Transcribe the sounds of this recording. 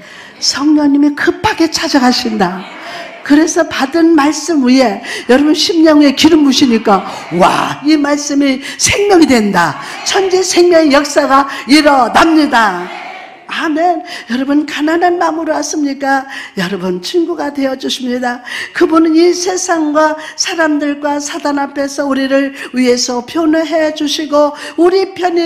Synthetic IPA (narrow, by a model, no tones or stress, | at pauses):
sʰʌŋɲʌŋɲimikɯp͈ʰːaɡe̞t͡ɕʰad͡ʑaɡaɕʰinda | kɯɾe̞sʰʌpadɯnmaɭs͈ɯmuje̞jʌɾʌbunɕʰimɲʌŋe̞kiɾɯmːuɕʰiɲik͈a | wa̰imaɭs͈ɯmisʰe̞ŋmʲjʌŋidwenda | t͡ɕʰʌnd͡ʑesʰe̞ŋmjʌŋijʌk̚s͈aɡaiɾʌnamɲida | amenjʌɾʌbɯnkananɦanːamuɾoas͈ɯmɲik͈ajʌɾʌbɯnt͡ɕʰiŋɡuɡadwe̞jʌd͡ʑuɕʰimɲidakɯbunɯnisʰe̞sʰaŋɡwasʰaɾamdɯɭɡwasʰadanapʰe̞sʰʌuɾiɾɯɭɥie̞sʰʌpʰjonɯɦe̞d͡ʑuɕʰiɡo | uɾipʰjʌni